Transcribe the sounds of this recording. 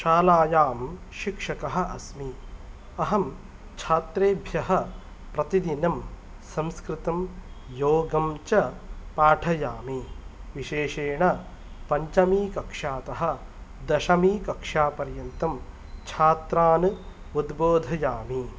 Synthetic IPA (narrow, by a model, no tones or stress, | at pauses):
ʃaːlaːjaːm | ʃikʂɐkɐɦɐ̆ʔɐsmi | ɐɦɐm | t͡ʃʰaːt̪ɾeːbʱjɐɦɐ̆ | pɾɐt̪id̪inɐm | sɐmskɾɨt̪ɐmjoːɡɐmt͡ʃɐpaːʈʰɐjaːmiʋiʃeːʃeːɳɐ | pɐɲt͡ʃɐmiːkɐkʂaːt̪ɐɦɐ̆d̪ɐʃɐmiːkɐkʂaːpɐɾjɐnt̪ɐm | t͡ʃʰaːt̪ɾaːnɨ | ud̪boːd̪ʱɐjaːmi